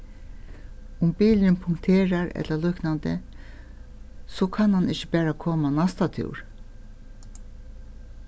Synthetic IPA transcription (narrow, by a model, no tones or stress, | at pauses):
ʊmbiːlɪnpʰʊŋkt̪ʰeːɹaɹɛ̰t̪lalʏknand̪ə̰ | sokʰanhanɪçəbæːɹakʰoːmanast̪at̪ʰṵːɹ